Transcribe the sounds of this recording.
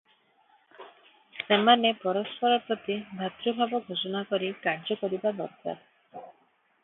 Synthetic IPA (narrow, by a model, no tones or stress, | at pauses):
semanepɔɾɔspɔɾɔpɾɔt̪ibʱat̪ɾɔbʱabɔɡʱod͡ʒɔnakɔɾikaɾd͡ʒɔkɔɾibad̪ɔ̰ɾka̰ɾ